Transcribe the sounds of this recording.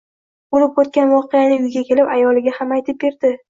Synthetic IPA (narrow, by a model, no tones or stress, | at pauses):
bolɪp̚ot̪̚kʲanvɒqejanɪʊjɡʲakʲe̞lɪpajɒlɪɡʲahamajt̪ʰɪp̚be̞ɾd̪̥ɪ